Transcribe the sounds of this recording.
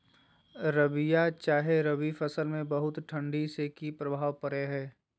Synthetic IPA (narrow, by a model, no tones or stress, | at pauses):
ɾɐʋijat͡ʃaːɦeɾɐʋifɐsəlmẽbɐɦʊt̪ʈʰɐ̃ɳɖisekipɾɐbʱaːʋpɐɾeɦɛː